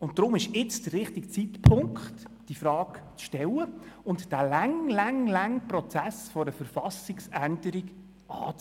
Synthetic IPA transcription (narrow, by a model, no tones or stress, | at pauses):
ʊntd̥̪ɾʊmɪʃɪt͡sd̥̪ərɪχtikt͡sitpʰʊŋkχt | d̥ifɾɑːkt͡sʃtɛləʊntd̥æːlæŋlaŋlaŋprɔt͡sæsfɔɾəfəɾfɑsɪksændəɾiɡ | ʔɑ̰ːt͡s